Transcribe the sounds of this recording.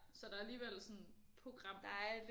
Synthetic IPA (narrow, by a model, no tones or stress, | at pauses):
sɒ̽d̥ɑɐæliːʋel̰sɔ̽n | pʰʁoɡ̥ʁɑ̈m̰d̥ɑ̈æd̥